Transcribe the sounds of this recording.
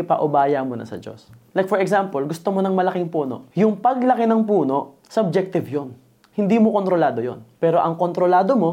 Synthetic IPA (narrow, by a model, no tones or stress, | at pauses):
pɐʔʊbaːjɐmonɐ̰sɐ̰d͡ʒo̞̰slajk̚fɔɾɛksampɐlɡʊst̪omonɐŋmɐlɐkɪŋpuːno̞̰ʔjʊŋpɐɡlɐkɪnɐŋpuːno̞ʔ | sɐob̚d͡ʒɛk̚t̪ɪvjon | hɪnd̪iːmoko̞nt̪ɾo̞laːd̪o̞jo̰npɛːɾo̞ʔɐŋkont̪ɾolaːd̪o̞mo̞